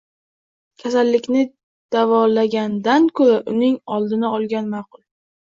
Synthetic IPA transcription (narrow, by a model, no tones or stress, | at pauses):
kʲʰasalːɪkʲnɪ | d̪̥avɒlaɡʲand̪ankʰɵɾaʔʊnɪŋɒlˠd̪ɪnaɒlˠɡʲanmɑːqʊlˠ